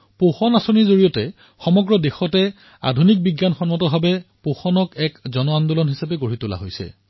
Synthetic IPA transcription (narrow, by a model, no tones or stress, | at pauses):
poxɔnasoniɹzoɹijɔtɛ | xɔmɔɡɹɔdexɔtɛ | a̰dʱunik̚biɡjanxɔnmɔtɔbʱabɛpoxɔnɔkɛkzɔnɔandulɔnɦisapɛɡoɹitula̰ɦojsɛ̰